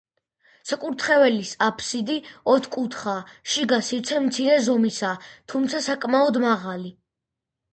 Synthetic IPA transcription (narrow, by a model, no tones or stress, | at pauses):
sʰɛkʼuɾt̪ʰχɛvɛlisapʰsid̪iɔt̪ʰkʼut̪ʰχaʃiɡasit̪sʰɛmt̪sʰiɾɛzɔmisaːt̪ʰumt̪sʰasakʼmaɔd̪maʁali